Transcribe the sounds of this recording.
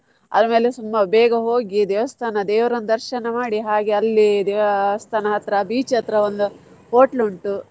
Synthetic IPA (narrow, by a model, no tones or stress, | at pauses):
ɐ̰d̪ɐme̞ːlesumːɐbɛːɡɐɦo̞ːɡid̪ɛːʋɐst̪ʰaːnɐd̪eːʋɐɾɐnd̪ɐɾʃɐnɐmaːɽiɦaːɡeɐlːid̪est̪ʰaːnɐɦɐt̪ɾɐbiːt͡ʃɐt̪ɾɐʋond̪u | poːʈluɳʈu